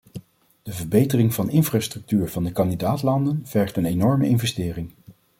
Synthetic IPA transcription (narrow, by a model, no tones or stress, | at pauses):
d̥əvəɹbejtərɪŋvɑnɪnfraːstrɵk̚tyːɹv̥ɑndəkɑndidaːtlɑndənv̥ɛɹχtənenɔɹməʔɪnvɛstɪːrɪŋ